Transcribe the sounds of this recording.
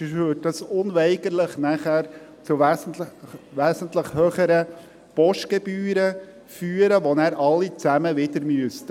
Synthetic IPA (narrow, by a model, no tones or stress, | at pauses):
ødɑsʊnʋɛɪɡəɾləχnæχæːɾ | t͡suʋæsntəʋæːsənt̪ləχhøːχəɾə | pɔʃtɡ̥ebyːɾə | fyːəɾəʋɔnæːɾʔɑlːit͡sæməʋɪd̪əɾmyəstə